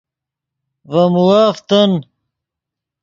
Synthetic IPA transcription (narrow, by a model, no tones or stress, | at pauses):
vɐmuwaːft̪ɐn